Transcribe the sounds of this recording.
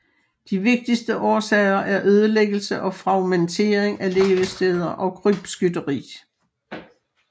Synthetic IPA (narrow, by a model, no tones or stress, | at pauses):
d̥iʋe̝ɡ̥̚d̥isd̥əʔɒːsɛɪɐʔæɐʔøːð̞ˠəleɡ̥əl̩səʔɒ̽fʁɑ̈ʊment͡sʰe̝̰ːɐeŋæle̝ːʋəsd̥eð̞ˠɐʔɒ̽kʰʁyb̥sɡ̥ydɐʁḭː